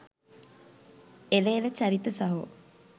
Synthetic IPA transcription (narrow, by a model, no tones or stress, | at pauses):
elelət͡ɕɐɾit̪əsɐɦu